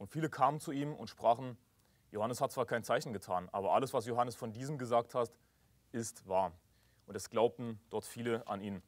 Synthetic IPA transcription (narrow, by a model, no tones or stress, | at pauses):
ʔʊntfiːləkʰaːmənt͡suʔiːmʊ̰ntʃpʁ̥aːχn̩ | johanəshat̚t͡sv̥aːɐkʰaɪnt͡saɪçn̩ɡətʰaːnʔa̰ːbɐʔa̰ləsv̥asjohanəsfɔndiːzəmɡəzaːk̚that | ʔɪstv̥aːɐ | ʔʊntɛsɡ̥laʊp̚tn̩d̥ɔɐtfiːləʔa̰niːn